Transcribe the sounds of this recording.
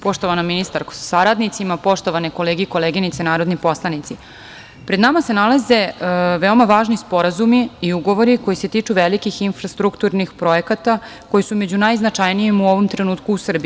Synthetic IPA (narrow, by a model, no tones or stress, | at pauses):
po̞ʃt̪oʋanominist̪aɾko̥saɾad̪nit̪simapo̞ʃt̪o̞ʋaneko̞leːɡiiko̞leːɡinit̪senaːɾo̞d̪nipo̞slˠanit̪si | pɾe̞d̪namasenalaze̞ʋeo̞maʋaːʒnispo̞ɾazumiiuɡo̞ʋo̞ɾiko̞jise̞t̪iːt͡ʂuʋelikixinfɾast̪ɾukt̪uɾnixpɾo̞ekat̪a | ko̞jisume̞d͡ʑunajznat͡ʂajnijimuo̞ʋomt̪ɾe̞nuːt̪kuːsr̩bi